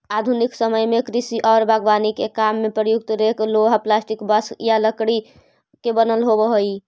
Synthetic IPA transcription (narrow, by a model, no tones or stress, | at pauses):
ad̪ʱuniksəməjmekɾisiʔɔːɾbaɡʋanikekamːepɾəjuk̚t̪ɾekloɦaplasʈikbəsjaləkɽi | kebənəlɦobəɦoi